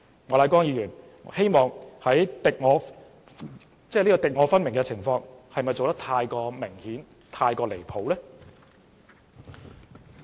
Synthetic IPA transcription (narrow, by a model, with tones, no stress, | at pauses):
ŋɔː˨˧laː˨˧˥kwɔː˥ŋjiː˨˧jyː˨˩n | he˥jmɔː˨ŋhɐ˨˥jt̪ɪ˨k̚ŋɔː˨˧ | t͡sɛː˥˩liː˥kɔː˧t̪ɪ˨k̚ŋɔː˨˥fɐ˥nmɪ˨˩ŋɡɛ˧t͡sʰɪ˨˩ŋfɔː˧ŋhɐ˨jmɐ˨jt͡so˨wt̪ɐ˥k̚t̪ʰaː˧jkɔː˧mɪ˨˩ŋhiː˨˥n | t̪ʰaː˧jkɔː˧le˨˩jpʰo˨˥wlɛ˥